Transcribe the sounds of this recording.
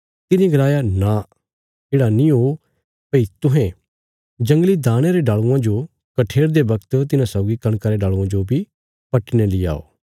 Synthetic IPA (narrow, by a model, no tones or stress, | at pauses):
t̪ɪnĩɡɐlaːjana | keːɽanĩɦoː | pɐit̪ʊɦɛ̃ | d͡ʒɐ̃ŋɡlid̪aːɽ̃eɾeɖaːɭuãd͡ʒo | kɐʈʰeːɽd̪ebɐkt̪t̪ɪnãsaːɡikɐɽ̃kəɾeɖaːɭuãd͡ʒobʱi | pɐʈnelia̰ːo̰ː